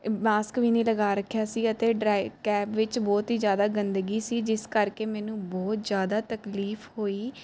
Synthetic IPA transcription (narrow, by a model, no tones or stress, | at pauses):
maːskʋiːniːləɡaːɾəkʰːjaːsiːət̪eːɖɾaːɪkɛːpʋɪt͡ʃbɔːt̪ɦiːzjaːd̪aːɡənd̪əɡiːsiːd͡ʒɪskəɾkeːmɛːnũːbɔːt̪zjaːd̪aːt̪əkliːfhoːiː